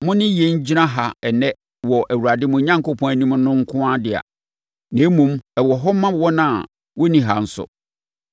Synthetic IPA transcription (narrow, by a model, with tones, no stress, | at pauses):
mʊ̃˦nɪ̃˦je˨ɲ̩˦d͡ʑi˦nã˦ɦa˨ɛ˨nɛ̃˦ | wɔ˨ʔæ˨wu˨ɾa˨dɪ˦mʊ̃˨˦ɲã˦ŋko˦pʰɔ̃˦æ˨nĩ˦m˦nʊ̃˦ŋ̩˦kʰʊ̃˦a˦dɪ˨a̰˨ | nẽ˨˦mũ˦mɛ˨wɔ˨ɦɔ˦mã˦wɔ˦nã˦˨ | wɔ˦nĩ˨ɦa˨n̩˦sʊ̰˨